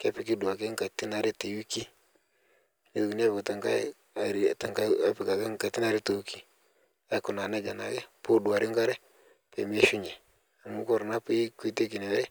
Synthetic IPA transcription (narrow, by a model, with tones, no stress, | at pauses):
ke˦pi˨ki˦du˨a˨ke˦ŋ˦ka˨ti˦na˨ɾe˦te˨wu˦ki˦ | ne˦˨ki˨n˦e˦pko˨ta˨ŋka˦˨ | ɾta˨ŋka˦pi˨ka˨ka˦ŋka˨ti˦na˨ɾi˦te˨wu˦ki˦ | a˦ku˨na˨ne˦d͡ʒa˨na˨ɡe˦po˦du˨a˨ɾi˦ŋ˦ka˦ɾɛ˦ | pe˨me˦ʃu˦ɲɛ˨ | a˨mu˦kɔ˦˨ɾna˦pe˦kʷi˦te˦k̬i˨ne˨wɾɛ˦